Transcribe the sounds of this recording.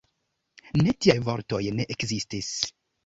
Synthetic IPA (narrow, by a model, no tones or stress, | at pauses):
ne̞tiajvo̞ɾto̞jne̞ʔekzistis